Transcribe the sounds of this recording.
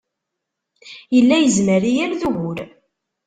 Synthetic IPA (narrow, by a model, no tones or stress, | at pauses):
jəlːæjəzməɾijæɾðuɣʊɾ